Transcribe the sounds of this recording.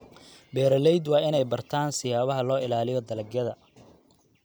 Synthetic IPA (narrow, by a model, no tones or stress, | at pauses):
bɛːɾɐlɛjd̪wɑːɪnɛjbɐrt̪ʰaːnsɪjaːβɐɦɐlɔːɪlaːlɪjɔd̪ɐlɐɡjɐðɐ